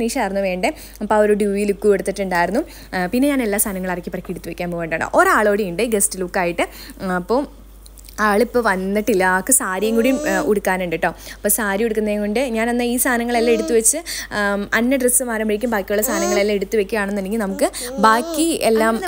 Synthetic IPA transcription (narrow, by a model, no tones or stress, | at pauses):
niːʂɐaːrɐnːuʋe̞ːɳɖe | ɐpːooɾuɖjuːijilukːueɽut̪ːiʈːuɳɖaːjiɾunːu | pinːe̞ɲaːne̞lːaːst̪ʰɐnɐŋːɐɭɐrɐkʲːipirɐkːiɽut̪ːuʋekʲːaːnpoːʋeːɳɖaːɳɨ̰ʔoɾaːɭo̞ːɽijuɳɖeɡestilukːaːjiʈːɨ | ɐpːo̞ː | aːɭipːoʋɐnːiʈːilːɐkːɨsaːɾijɐŋɡuːɽimuɽukːaːneɳɖiʈːo̞ːɐpːoːsaːɾijuɽukːunːeŋɡoɳɖɨɲaːnonːɐiːst̪ʰaːnɐŋːɐɭelːɐeɽut̪ːuʋet͡ɕːɨ | ɐnːɐɖrɐsːɨmaːɾɐmbɐɽik̬ʲːumbaːkːijuɭːɐst̪ʰaːnɐŋːɐɭelːaeɽut̪ːuʋekʲːujaːɳenːeniŋːɡilnɐmukːɨbaːkːielːaːm